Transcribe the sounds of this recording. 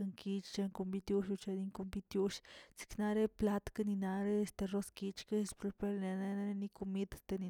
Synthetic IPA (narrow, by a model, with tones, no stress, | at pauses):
a˧ŋki˧t͡ʃt͡ʃe˧ŋku˧mbi˧t̪ju˧˦ʃu˧t͡ʃe˧ni˧˦ŋku˧mbi˧t̪ju˦ʃsi̥˧kna˧ɾe˦pla˦t̪ka˦ni˧na˧ɾe˦˧st̪e˧ro˧ski˧t͡ʃka˦˧spɾu˧pe˦˧ɾne˧ne˦na˦ɾe˦ni˧ku˧mi˦d̪st̪e˧ni˧